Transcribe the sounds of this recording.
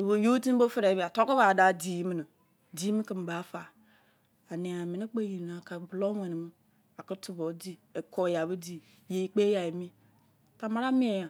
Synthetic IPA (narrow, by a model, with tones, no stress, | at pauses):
e˨bo˨jo˦ti˦bo˦fə˦ɾe˨˦bi˨a˨tɔ˦ko˦ba˨da˦di˨˦mi˨nə˨ | di˨˦mi˦kɨ˨m˨ba˨˦fa˨ | a˨ni˨a˨mi˨ni˦k͡pe˦ji˨n˨a˨ka˨blɔ˦we˨ni˨mɨ˦ | a˨kə˦tu˦bo˨˦di˦e˨kʰɔ˨ja˨bə˦di˨ | je˨i˨k͡pe˦ja˨je˨mĩ˦ | ta˨ma˦ɾa˦mĩ˦e˨a˨